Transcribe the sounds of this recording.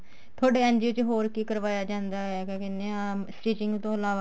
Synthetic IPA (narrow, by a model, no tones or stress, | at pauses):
t̪ʰoːɖeːə̃nd͡ʒiot͡ʃɦoːɾkiːkəɾʋaːjaːd͡ʒãːnd̪aːɛːkẽːkɪnẽːsʈiːt͡ʃɪŋɡt̪õːəlaːʋa